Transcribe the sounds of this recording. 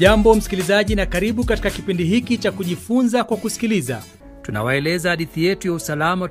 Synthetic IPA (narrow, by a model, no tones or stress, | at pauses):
ʄambɔm̩si̥kilizaʄinakaɾiɓukati̥kakipindiɦikit͡ʃakuʄifunzakwakusi̥kiliza̰ | tuna̰waɛlɛzahaɗiθijɛtujausalama